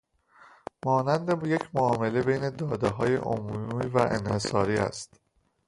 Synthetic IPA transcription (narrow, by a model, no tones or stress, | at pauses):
mɒːnænd̪ejecʰmoɒːme̞le̞bejne̞d̪ɒːd̪eɦɒːjḛʔo̰mumiːvæʔḛnhe̞sɒːɾiːæ̰st̪